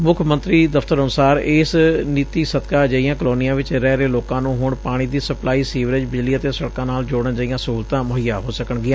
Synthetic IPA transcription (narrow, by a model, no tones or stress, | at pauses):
mʊkʰmə̃nt̪ɾiːd̪əfʰt̪əɾənʊsaːɾɪːsniːt̪iːsət̪kaːd͡ʒəːijãːkəloːnijãːʋɪt͡ʃɾɛːɾeːloːkãːnũːɦʊːɳpaːɽ̃iːd̪iːsəplaːiːsiːʋɾɪd͡ʒbɪd͡ʒliːət̪eːsəɽkãːnaːld͡ʒoːɽənd͡ʒaːijãːsəɦuːlt̪ãːmʊɦɪjaːɦoːsəkəɳɡɪãː